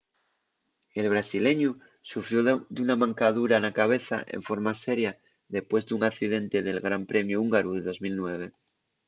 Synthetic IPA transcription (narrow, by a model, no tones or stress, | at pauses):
e̞lβ̞ɾasile̞ɲu | sufɾjod̪unamãŋkaðuɾanakaβ̞e̞θa̰ʔḛɱfo̞ɾmase̞ɾja | ðe̞spwe̞zduŋakθið̞ẽ̞nt̪e̞ðe̞lɣɾampɾe̞mjuuŋɡaɾuðe̞ðo̞zmilnwe̞β̞e̞